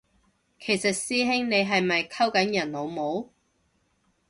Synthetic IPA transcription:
kʰe˨˩jsɐ˨t̚siː˥ɦɪ˥ŋne˨˧jɦɐ˨jmɐ˨jkʰɐ˥wkɐ˨˥njɐ˨˩nlo˨˧wmo˨˧˥w

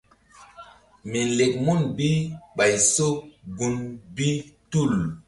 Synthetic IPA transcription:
mi˨le˨k̚mu˦nbi˦ɓa˨jso˦kɡu˨nbi˦tu˦˨l

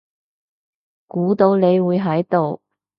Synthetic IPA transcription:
kuː˨˥t̪o˨˧wne˨˧jwuː˨˧jɦɐ˨˥jt̪o˨w

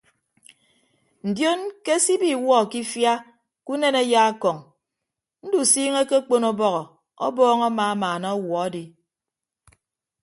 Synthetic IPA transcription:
n̩˨djo˦nke˦si˦bi˨wɔ˦˨ki˦fja˦ | ku˦ne˦ne˦ja˦a˦kɔ˨ŋ | n̩˦du˨siː˦ŋe˦ke˦k͡po˦nɔ˦bɔ˦ɣɔ˨ | ɔ̰˦bɔː˦ŋa˦ma˨a˦maː˨nɔ˦ɔ˦wɔ˨a˦di˨

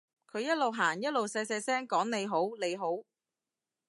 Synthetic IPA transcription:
kʰɵ˨˧ɥjɐ˥t̚lo˨wɦaː˨˩ŋjɐ˥t̚lo˨wsɛː˧sɛː˧sɛː˥ŋkɔː˨˥ŋne˨˧jɦo˨˥wle˨˧jɦo˨˥w

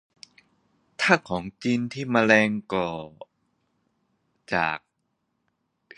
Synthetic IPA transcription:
t̪ʰaː˥˩kʰɔː˩˦ŋt͡ɕiː˧nt̪ʰiː˥˩maː˧lɛː˧ŋkɔː˨˩ | t͡ɕa̰ː˨˩k̚

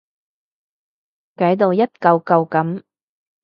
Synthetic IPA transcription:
kɐ˨˥jt̪o˨wjɐ˥t̚kɐ˧wkɐ˧wkɐ˨˥m

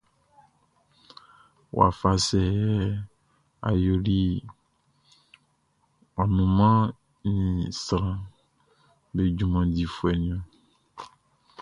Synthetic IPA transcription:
w̰a̰˨fa˨sɛ˨ɛ˦ | a̰˨jo˨ɖi˦ | a˨nũ˨mã˦ | nĩ˨sɾã˨ | be˨d͡ʒu˦mã˨di˨fu˦ɛ˨nĩ˨˦ɔ̃˨

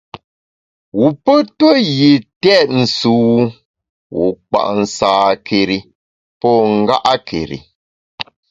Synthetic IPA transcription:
wu˨pə˦twə˦ji˨tɛ˦˨t̚n̩˨suː˨˦ | wṵ˨k͡pa̰˨ʔn̩˨saː˨kʰe˨ɾi˨ | pɔ˦˨ŋ̩˦ɡa˦ʔa˦kʰḛ˨ɾḭ˨

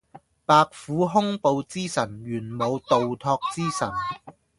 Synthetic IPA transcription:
paː˧k̚fuː˨˥ɦʊ˥ŋpo˨wt͡siː˥sɐ˨˩nɥyː˨˩nmo˨˧wt̪o˨wt̪ʰɔː˧k̚t͡siː˥sɐ˨˩n

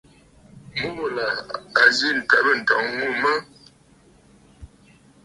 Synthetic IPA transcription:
mu˦˨la˨a˨zi˦n̩˨tɛ˨˦bə˦˨n̩˨tɔ˨˦ŋŋu˦˨mə˦

